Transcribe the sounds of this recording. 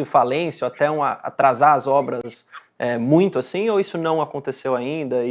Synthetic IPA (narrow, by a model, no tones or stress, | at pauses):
ɪfalẽsjoat̪ɛũɐa̰t̪ɾazaɐzɔbɾɐs | ɛmũj̃t̪ʊasĩowisʊnɐ̃w̃akõnt̪esewaĩnd̪ɐi